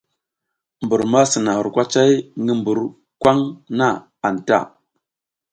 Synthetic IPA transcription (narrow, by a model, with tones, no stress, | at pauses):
mbu˨ɾma˦sə˨na˨xu˨ɾkʷa˦t͡ʃa˦jŋə˦mbu˨ɾ | kʷa˦ŋna˦ | a˨n˨ta̰˦˨